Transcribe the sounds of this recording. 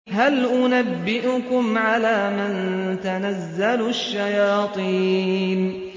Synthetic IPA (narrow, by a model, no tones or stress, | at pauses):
ɦalʔʊnabːɪʔʊkʊmʕalaːmant̪anazːalʊʃːajɑːt̪ˤiːn